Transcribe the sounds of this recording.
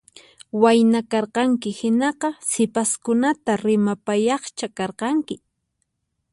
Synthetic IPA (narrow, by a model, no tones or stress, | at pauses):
wajnakɑɾqɑŋkɪhɪnɑqɑsɪpaskʊnat̪aɾɪmapajɑχt͡ʃakɑɾqɑŋkɪ